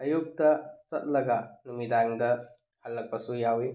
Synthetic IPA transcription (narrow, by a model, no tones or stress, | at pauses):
ɐjuk̚tɐsɐt̚lɐɡɐnumidaŋdɐ | hɐlːɐk̚pɐsujawi